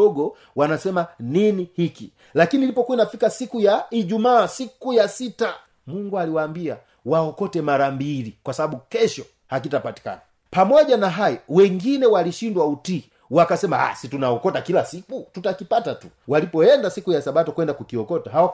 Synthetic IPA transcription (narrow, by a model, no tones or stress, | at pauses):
ɔɡɔ | wanasɛmaninihiki | lakinilipɔkuinafikasikujaiʄumaːsikujasita | muŋɡualiwaːmbia | waɔkɔtɛmaɾambilikwasaɓaɓukɛʃɔ | hak̬itapati̥ka̰na | pamɔʄanaɦajɔwɛŋɡinɛwaliʃindwautiː | wakasɛmaa̰situnaɔkɔtakilasikututakipatatu̥ | walipɔɛndasikujasaɓatɔkwɛndakukiɔkɔtaɦaɔ